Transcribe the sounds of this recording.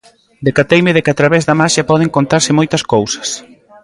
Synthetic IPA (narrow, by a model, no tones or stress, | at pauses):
d̪ekat̪ejmɪðɪkɪat̪ɾaβɛzðɐmaʃapɔð̞ɪŋkont̪aɾsɪmojt̪ɐskowsɐ̥s